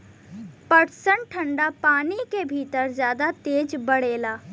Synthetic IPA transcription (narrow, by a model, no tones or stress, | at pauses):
pɐɾsəɳʈʈʰə̃ɳɖapaːnikebʱiːt̪əɾzjaːd̪at̪eːd͡ʒbɐɽeːlaː